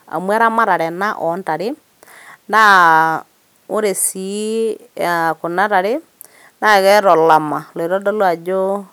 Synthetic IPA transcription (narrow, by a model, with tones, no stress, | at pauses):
a̰˨mwɛ˦ɾa˦ma˦ɾa˨ɾɛ˨na˦ʔɔ˨nta˨ɾe˦ | nda˦ | o˦ɾe˨si˨˦ | a˨ko˨na˦ɾa˨ɾe˦ | na˦˨ɣɛ˦ɾɔ˨la˨ma˨lo˨e˨ɾɔ˦dɔ˦lwa˨d͡ʒo˦